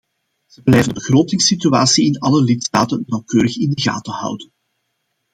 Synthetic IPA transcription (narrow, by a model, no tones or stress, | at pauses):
z̥əblɛjvənbəɣroːtɪŋsityaːsiɪnɑləlɪtsta̰ːtənːɑwkøːɾəxɪndəɣa̰ːtəhʌ̰wdən